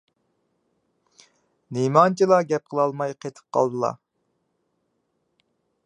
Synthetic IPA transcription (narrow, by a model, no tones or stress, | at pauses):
nimɑnt͡ʃʰilˠɑɡʲɛp̚qʰəlˠɑlˠmɑjqʰet̪ʰə̥p̚qʰɑ̰lˠd̪ɨlˠɑ̰